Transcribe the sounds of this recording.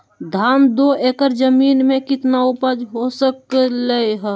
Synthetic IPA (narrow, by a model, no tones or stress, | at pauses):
d̪ʱaːmd̪oʔeːkəɾd͡ʒəmiːnmẽkɪt̪naʊpəd͡ʒɦosəkləeɦɛ